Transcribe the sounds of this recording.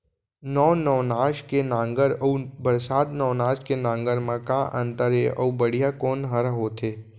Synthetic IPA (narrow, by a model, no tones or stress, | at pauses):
nɔːnɔːnaːʃkenãːŋɡəɾɔubəɾsaːd̪nɔːnaːʃkenãːŋɡəɾmãkãʔə̃nt̪əɾeʔɔ̰ːbəɽ̤ijakoːnɦəɾaɦoːt̪ʰeː